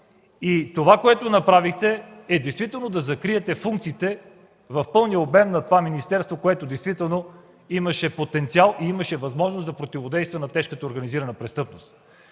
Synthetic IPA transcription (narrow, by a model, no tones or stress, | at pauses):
it̪ovakoɛt̪onɐpɾavixt̪ɛː | d̪ɛjst̪vit̪ɛlˠnod̪ɐzɐkɾiɛt̪ɛfuŋk̚t̪siːt̪ɛ | vɐfpɤlˠnijəobɛmnɐt̪ovaminist̪ɛɾst̪vokoɛt̪od̪ɛjst̪vit̪ɛlˠno | imɐʃɛpot̪ɛnt̪sialˠiiməʃɛvɐzmɔʒnosd̪ɐpɾot̪ivod̪ɛjst̪vənɐt̪ɛʃkət̪əoɾɡɐniziɾənəpɾɛst̪ɤpnost̪